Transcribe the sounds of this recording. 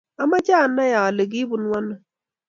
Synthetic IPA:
a˦ma˦t͡ʃa˦˨na˦ja˨le˨ɡi˦bu˨nwa˦nɔ˨

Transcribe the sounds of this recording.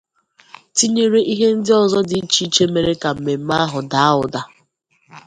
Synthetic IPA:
ti˦ɲe˦ɾe˦ʔi˦ɦe˦n̩˦dɪ˦ɔ˨zɔ˦dɪ˨i˦t͡ʃi˦t͡ʃe˦me˨ɾe˦ka˨m̩˨me˨m̩˦ma˦ɦʊ˨da˦a˦ʊ˨da˦

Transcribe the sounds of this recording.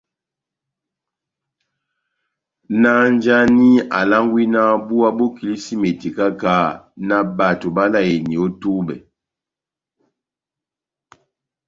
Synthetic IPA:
na˦n˦d͡ʒa˦ni˦a̰˨la˦ŋɡwi˦na˦bu˦a˦bo˦ki˨li˦si˦me˨ti˨ka˦ka˦na˦ba˨to˨ba˦la˦˨je˨ni˨o˦tu˦bɛ˨

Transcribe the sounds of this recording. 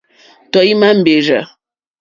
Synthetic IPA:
tɔ˨ji˦ma˦m̩˨be˨ɾə̰˨

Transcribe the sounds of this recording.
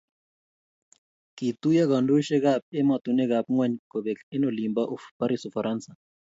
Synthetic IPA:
ki˨t̪u˦ja˦ka˨ndu˦ʃɛ˦ka˨p̚ɛ˦ma˨t̪u˨nɛ˦ka˨p̚ŋwa˨ɲkɔ˨ɓɛ˨kɛ˦nɔ˨li˨mba˦ʔu˦fpa˦ɾi˦sɔ˨fa˨ɾʔansa˨

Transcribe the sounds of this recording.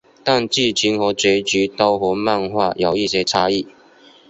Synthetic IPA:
t̪a˥˧nt͡ɕi˥˩t͡ɕʰi˨˥ŋxɔ˧˥t͡se˨˥ɪt͡ɕy˨˥t̪ɑ˥ʊxɔ˧˥ma˥˧˨nxwa˥˩jo˨˩ʊi˥˨ɕjɛ˥ʈ͡ʂʰa˥i˥˩

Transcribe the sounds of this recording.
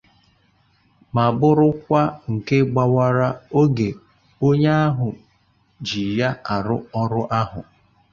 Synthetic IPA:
ma˨bʊ˦ɾʊ˦kʷa˦ŋ̩˨ke˦ɡ͡ba˦wa˦ɾa˦o˦ɡe˨ | o˦ɲa˦a˦ɦʊ˨ | d͡ʒi˨ja˦a˨ɾʊ˦ɔ˦ɾʊ˦ʔa˦ɦʊ̰˨

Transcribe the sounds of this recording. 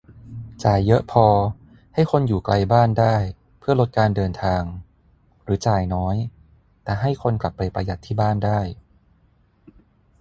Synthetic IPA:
t͡ɕaː˨˩jːɤ˦˥ʔpʰɔː˧ | ha˥˩jkʰo˧njuː˨˩kla˧jbaː˥˩ndaː˥˩j | pʰɯ˥˩ɐlo˦˥t̪̚kaː˧ndɤː˧nt̪ʰaː˧ŋ | ɾɯː˩˦t͡ɕaː˨˩jnɔː˦˥j | t̪ɛː˨˩ɦa˥˩jkʰo˧nkla˨˩pːa˧jpa˧ja˨˩t̪ʰːiː˥˩baː˥˩ndaː˥˩j

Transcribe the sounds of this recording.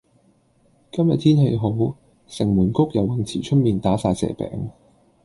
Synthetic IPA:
kɐ˥mjɐ˨t̪ʰiː˥nɦe˧jɦo˨˥w | sɪ˨˩ŋmuː˨˩nkʊ˥k̚jɐ˨˧wːɪ˨˩ŋt͡sʰiː˨˩t͡ʃʰɵ˥t̚miː˨nt̪aː˨˥saː˧jsɛ̰ː˨˩pɛ̰ː˨˩˥ŋ

